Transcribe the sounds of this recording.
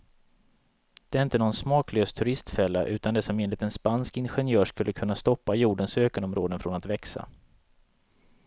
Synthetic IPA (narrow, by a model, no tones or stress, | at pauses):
d̪̥ɛæɾɪnt̪ənɔnsmɑːkløːst̪ʰɵɾɪst̪fɛlːa̰ʔʉ̟ːt̪and̪ɛsɔmeːnlɪt̪ɛnspanskɪnɧɛnjœːʂkɵlːəkʰɵnːast̪ɔpːajuːɖənsøːkənɔmɾoːd̪ənfɾɔnat̪vɛksa̰